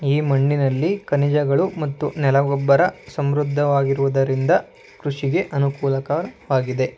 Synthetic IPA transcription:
iːmɐɳːinɐlːikɐnid͡ʒɐɡɐɭumɐt̪ːunɛlɐɡɔbːɐɾɐsɐmɾud̪ʱːɐʋaːɡiɾuʋud̪ɐɾind̪ɐ | kɾuʂiɡe̞ʔɐnukuːlɐkɐʋaːɡid̪e̞

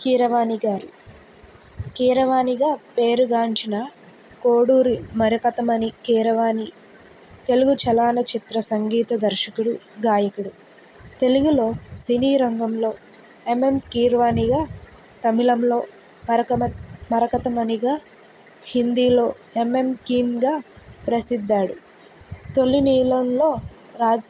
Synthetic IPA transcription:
kiːɾɐʋaːniɡaːɾi | kiːɾɐʋaːniɡaːpe̞ːɾuɡaːɲt͡ʃinɐ | koːɽuːɾimɐɾɐkɐt̪ɐmɐnikiːɾɐʋaːni | t̪e̞luɡut͡ʃɐlaːnɐt͡ʃit̪ɾɐsɐŋɡiːt̪ɐd̪ɐɾʃɐkuɽuɡaːjɐkuɽu | t̪e̞luɡulo̞ːsiniːɾɐŋɡɐmlo̞ː | e̞me̞mkiːɾʋaːniɡaː | t̪ɐmilɐmlo̞ː | ɐɾɐmɐɾɐkɐt̪ɐmɐniɡaː | hind̪iːlo̞ː | e̞me̞mkiːmɡaːpɾɐsid̪ːaːɽu | t̪o̞lːiniːlɐnlo̞ː | ɾaːd͡ʒ

